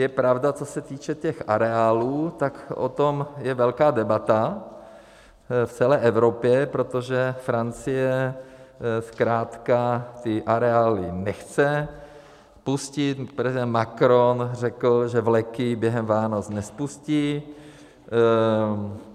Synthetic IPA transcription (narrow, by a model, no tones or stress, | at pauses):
jɛpɾavdat͡sosɛt̪iːt͡ʃɛcɛxʔa̰ɾɛaːluːt̪akʔo̰t̪omjɛvɛlkaːdɛbat̪a | ft͡sɛlɛːʔɛvɾopjɛpɾot̪oʒɛfɾant͡sɪjɛ | skɾaːt̪kat̪ɪʔaɾɛaːlɪnɛxt͡sɛ | puscɪt̪pɾɛzidɛnt̪makɾonr̝ɛkl̩ʒɛvlɛkɪbjɛɦɛmvaːnot͡snɛspusciː